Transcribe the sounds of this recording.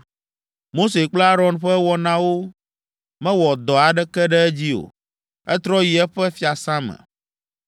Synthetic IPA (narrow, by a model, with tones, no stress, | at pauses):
mo˦se˨k͡plɛ˦a˦ɾɔ̃˨nɸɛ˦wɔ˦nã˦wo˦ | mɛ̃˦wɔ˨d̪ɔ˨a˨ɖɛ˦kɛ˦ɖɛ˦ɛ˦d͡ʑi˦o̰˨ | ɛ˦t̪ɾɔ˦ji˨ɛ˦ɸɛ˦fi˦a˨sã˦mɛ̰̃˨